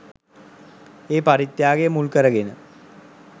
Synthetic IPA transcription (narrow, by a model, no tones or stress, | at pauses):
eːpaɾit̪jaːɡejəmulkəɾəɡenə